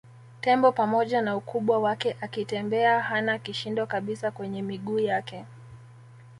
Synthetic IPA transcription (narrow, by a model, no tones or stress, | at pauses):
tɛmbɔpamɔʄanaukuɓwawakɛʔakitɛmbɛahanakiʃindɔkaɓisakwɛɲɛmiɠuːjakɛ